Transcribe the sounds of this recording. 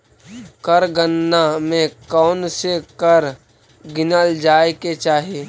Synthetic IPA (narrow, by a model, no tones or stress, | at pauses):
kəɾɡənːamẽkɔːnsekəɾ | ɡɪnəld͡ʒaːeket͡ʃaːɦie